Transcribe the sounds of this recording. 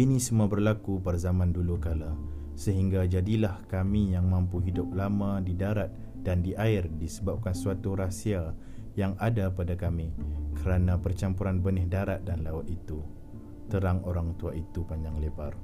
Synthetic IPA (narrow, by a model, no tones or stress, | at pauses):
inĩsəmuabərlakupərzamãndulukala | səɦiŋɡad͡ʒadilahkamijaŋmãmpuɦidʊp̚lamãdidaɾat̪̚ | d̥andiʔaɪrdisəbap̚kansuat̪uɾasia | jaŋadapadakamĩkəɾanapərt͡ʃampuɾanbənɪhdaɾat̪̚danlaʊt̪̚it̪u | t̪əɾaŋoɾaŋt̪uaʔit̪upaɲd͡ʒaŋlebar